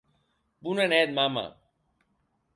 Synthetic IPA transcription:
punaneːd̪maːma̰ː

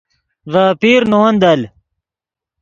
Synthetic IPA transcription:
vaːpiːɾnowɐnd̪ɐl

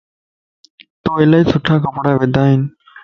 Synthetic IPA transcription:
t̪oːeːlaːiːsʰʊʈʰaːkəpɽaːʋed̪ʱaːɦiːn

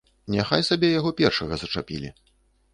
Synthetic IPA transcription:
nʲaxajsabʲɛjaɣɔpʲɛrʂɐɣɐzɐt͡ʂapʲḭlʲḭ

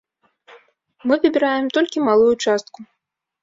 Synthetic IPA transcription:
mɨvʲɨbʲiɾajɛmt̪ɔlʲkʲimalˠujut͡ʂast̪ku

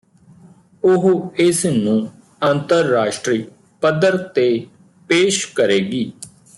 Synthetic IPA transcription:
ʊɦɪsnũː | ənt̪əɾːaːʃʈɾiː | pəd̪əɾt̪eː | peːʃkəɾeːɡiː

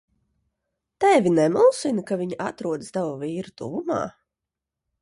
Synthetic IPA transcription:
t̪ɛvʲinɛmulˠsinɨkaviɲʔat̪ɾuɔd̪st̪avɔviːɾut̪ṵvuma̰ː

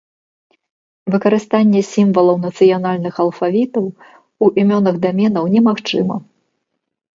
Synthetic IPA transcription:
vɨkɐɾɨst̪anʲːɛsʲimvɐlˠɐwnɐt̪sɨjanalʲnɨxɐlˠfavʲit̪ɐw | uʔimʲɔnɐɣd̪amʲɛnɐwnʲɛmaxt͡ʂɨmɐ̰

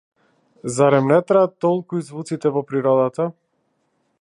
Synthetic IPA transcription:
zaɾɛmnɛt̪ɾat̪ːɔlˠkuizvut̪sit̪ɛvɔpɾiɾɔd̪at̪a

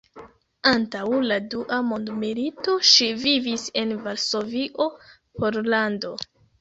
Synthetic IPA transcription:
antawladuʔamo̞ndmilito̞ʃivivise̞nvaɾso̞viʔo̞ | po̞ɾlando̞

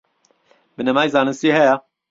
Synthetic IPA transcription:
bɨnɐmaːjzaːnɨnsiɦɛja

